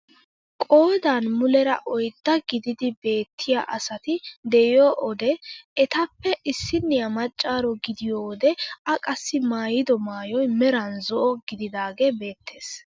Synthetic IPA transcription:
kʼo̞ːd̪anmʊlɛɾɐ̰ʔɔjd̪̥ːɐɡɪd̪ɪd̪ɪbe̞ːt̪ʰːɪja̰ːʔɐsɐt̪ɪd̪ɛjoːʔɔd̪ɛɛt̪ɐpːɛʔɪsːɪnːɪjɐmɐt͡ʃʼːaːɾɔɡɪd̪ɪjoːd̪ɛɐkʼɐsːɪmaːjɪd̪ɔmaːjɔjmɛɾɐnzɔʔɔɡɪd̪ɪd̪aːɡebe̞ːt̪ʰːe̞ːs

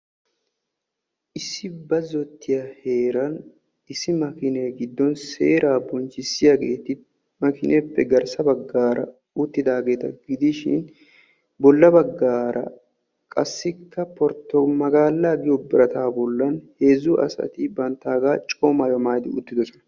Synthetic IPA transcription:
ʔɪsːɪbɐzɔt̪ʰːɪjɐhe̞ːɾɐn | ɪsːɪmɐkɪneːɡɪd̪ːɔnse̞ːɾaːbɔnt͡ʃːɪsːɪjaɡe̞ːt̪ɪ | mɐkɪnʔeːpːɛɡɐɾsɐbɐɡːaːɾɐ̰ | ʊt̪ːɪd̪aːɡe̞ːt̪ɐɡɪd̪ɪʃɪ̰n | bɔlːɐbɐɡːaːɾʔɐ̰ | kʼɐsːɪkːɐpɔɾt̪ːɔmɐɡaːlːaːɡɪjɔbɪɾɐt̪aːbɔlːɐnhe̞ːzuʔɐ̰sɐ̰t̪ɪbɐnt̪ːaːɡaːt͡ʃʼoːmajɔmaːjd̪ɪʊ̰t̪ːɪd̪ɔsɔnɐ

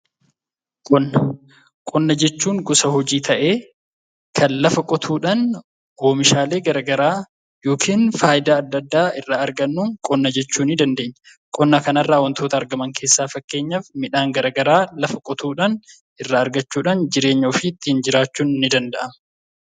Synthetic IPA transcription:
kʼɔnːɐ | kʼɔnːɐd͡ʒɛt͡ʃːuːŋɡʊsɐhɔd͡ʒiːt̪ʰɐʔe̞ː | kʰɐnlɐfɐkʼɔt̪ʰuːᶑɐn | woːmɪʃaːle̞ːɡɐɾɐɡɐɾaː | jo̞ːkiːnfaːjɪd̪aːd̪ːɐd̪ːaːɪrːaːɐɾɡɐnːuːŋkʼɔnːɐd͡ʒɛt͡ʃːuːnɪd̪ɐnd̪e̞ːɲːɐ | kʼɔnːɐkɐnɐrːaːwɐnt̪ʰo̞ːt̪ɐːɾɡɐmɐŋke̞ːsːaːfɐkːe̞ːɲːɐfmɪᶑaːŋɡɐɾɐɡɐɾaːlɐfɐkʼɔt̪ʰuːᶑɐn | ɪrːaːɾɡɐt͡ʃːuːᶑɐnd͡ʒɪɾe̞ːɲːoːfɪt̪ːɪhɪnd͡ʒɪɾaːt͡ʃːuːnɪnːɪd̪ɐnd̪ɐʔɐmɐ

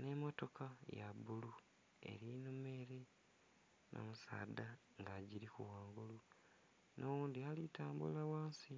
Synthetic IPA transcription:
ne̞mo̞to̞kʰajabulu | e̞̰ɾinume̞ɾe | nʔo̰musa̰ːd̪a | ŋɡaɟiɾikṵwaːŋɡulu | nʔowuːnd̪ialitaːmbṵlawaːnsi

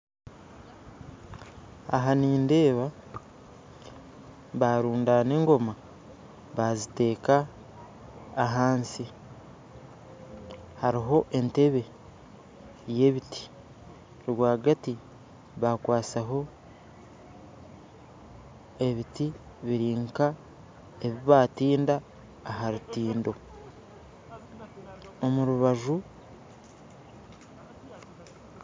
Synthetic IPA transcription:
a̰ɦaniːnde̞ːβa | βaːɾuːndane̞ːŋɡo̞ma | βazite̞ːka | ɦaːnsi | haɾiɦo̞ʔe̞nte̞βe̞ | je̞ːβiti̥ | ɾwaːɡati | βakwaːsaɦo̞ | e̞βiti | βiɾiːŋka | e̞βiβaːtiːndaː | ɦaɾutiːndo̞ | o̞muɾuβaʒu

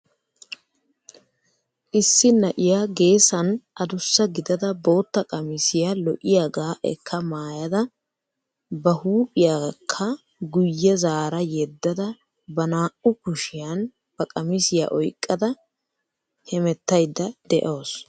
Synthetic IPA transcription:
ʔɪsːɪnɐʔɪjaɡe̞ːsɐnʔɐd̪ʊsːɐɡɪd̪ɐd̪ɐbo̞ːt̪ːɐkʼɐmɪsɪjalɔʔɪjaɡaːʔɛ̰kʰːɐmaːjɐd̪ɐ | bɐhuːpʼɪjakʰːɐ | ɡʊjːɛzaːɾɐjɛd̪ːɐd̪ɐ | bɐnaːʔʊkʊʃɪjɐn | b̥ɐkʼɐmɪsɪja̰ʔɔjkʼːɐd̪ɐ | hɛmɛt̪ːɐjd̪ːɐd̪ɛʔo̞ːs

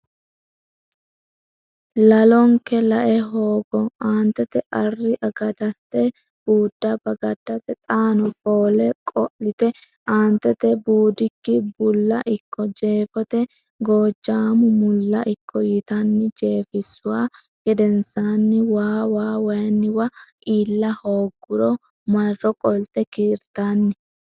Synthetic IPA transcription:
lɐlɔŋkɛlɐʔɛɦoːɡɔaːnt̪ɛt̪ɛʔɐrːɪʔɐɡɐd̪ɐt̪ːɛ | b̥uːd̪ːɐbɐɡɐd̪ːɐt̪ɛt̪ʼaːnɔfoːlɛkʼɔʔɪt̪ɛ | ʔaːnt̪ɛt̪ɛbuːd̪ɪkːɪbʊlːɐʔɪkːɔd͡ʒe̞ːfɔt̪ɛ | ɡo̞ːd͡ʒːaːmʊmʊlːɐʔɪkʰːɔjɪt̪ɐnːɪd͡ʒeːfɪsːʊwaː | ɡɛd̪ɛnsaːnːɪwaːwaːwɐjɐnːɪwɐʔiːlːɐhoːɡːʊɾɔ | mɐrːɔkʼɔlt̪ɛkɪɾt̪anːɪ

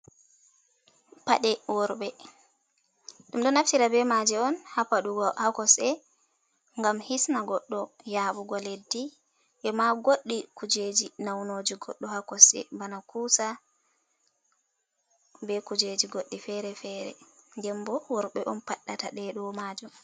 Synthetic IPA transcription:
paɗɛwɔɾɓɛ | ɗumɗɔnaftiɾabɛmad͡ʒɛɔnhapaɗuɡɔhakɔsɛ | ŋɡamhisnaɡɔɗːɔ | jaːɓuɡɔledːi | ʔɛmaɡoɗːikud͡ʒed͡ʒinawnoːd͡ʒiɡɔɗːɔhakɔsɛ̰banakuːsa | bɛkud͡ʒed͡ʒiɡoɗːifɛɾɛfɛːɾɛ̰ndɛmbɔwɔɾɓɛʔɔnpaɗːataɗɛɗɔmaːd͡ʒum

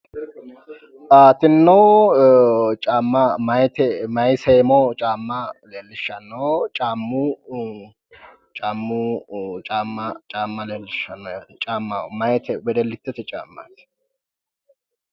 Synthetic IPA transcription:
ʔaːt̪ɪnːo | t͡ʃʼaːmːɐmɐjt̪ɛmɐjseːmɔt͡ʃʼaːmːɐleːlːɪʃːɐnːot͡ʃʼaːmːu | t͡ʃʼaːmːut͡ʃʼaːmːɐt͡ʃʼaːmːɐleːlːɪʃːɐnːɔjaːt͡ʃʼaːmːamɐjt̪ɛwɛd̪ɛlːɪt̪ːɛt̪ɛt͡ʃʼa̰ːmːɐ̰t̪ɛ̥

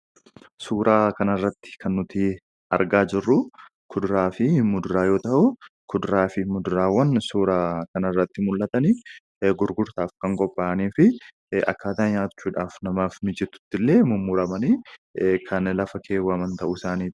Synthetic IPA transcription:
suːɾʔaːkɐnɐrːɐt̪ːɪ̥kɐnːʊt̪ɪ | ɐ̰ɾɡaːd͡ʒɪrːʊ | kʰʊd̪ɾaːfɪmʊd̪ɾaːjo̞ːt̪ɐʔʊkʰʊd̪ɾaːfɪmʊd̪ʊɾaːwːɐnsuːɾaːkɐnɐrːɐt̪ːɪmʊlːɐt̪ɐni | ɡʊɾɡʊɾt̪aːfkɐŋkʼɔpʼːaːʔɐniːfɪ | ʔɐ̰kːaːt̪aːɲaːt͡ʃːuːᶑaːfnɐmaːfmɪd͡ʒɛt̪ːʊ̥t̪ːɪlːe̞ːmʊmːʊɾɐmɐniːkʰɐnlɐfɐkʰeːwɐmɐnt̪ɐʔʊɪsaːniː

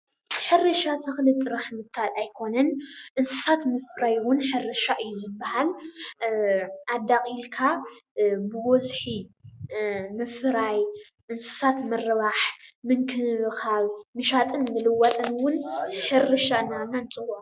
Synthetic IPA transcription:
ħɨɾɨʃat̪ʰɨxlɨt̪ʼːɨɾaħmɨkʰalajkʰo̞nɐnʔɨnsɨ̥sat̪mɨfɾajwʊnħɨrɨʃaʔɨjːuzɨbːahal | ʔad̪akʼilkʰa | bɨwɔzħi | mɨfɾaj | ʔɨnsɨ̥sat̪mɨrɨβaħmɨŋkʰɨmɨxaβmɨʃat̪ʼɨnmɨlɨwɐt̪ʼɨnwʊnħɨrɨʃaɨnːanːanɨt͡sʼɨwo

